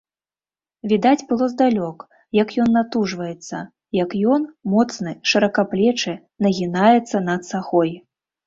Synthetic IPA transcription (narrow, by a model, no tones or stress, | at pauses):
vʲid̪ad͡zʲbɨlˠɔzd̪alʲɔk | jɐkjɔnːat̪uʐvɐjɛt̪sːɐ | jɐkjɔnmɔt̪snɨʂɐɾɐkaplʲɛt͡ʂɨ | nɐɣʲinajɛt̪sːɐnɐt̪saxɔj